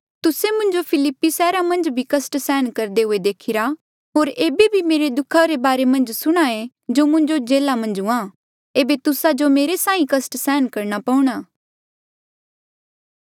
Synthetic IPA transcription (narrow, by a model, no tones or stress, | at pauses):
t̪ʊsemʊ̃nd͡ʒopʰɪlɪpːisɛːɾamɐ̃nd͡ʒbʱikɐsʈsɛːnkɐɾd̪eɦʊed̪eːkʰɪɾa | ɦoːɾeːbebʱimeːɾed̪ʊkʰːaɾebaːɾemɐ̃nd͡ʒsʊɽ̃aːẽ | d͡ʒoːmʊ̃ɲd͡ʒod͡ʒeːlamɐ̃nd͡ʒʊ̃ã | eːbet̪ʊsad͡ʒomeːɾesãːĩkɐsʈsɛːnkɐɾɽapɐʊ̃ɽ̃aː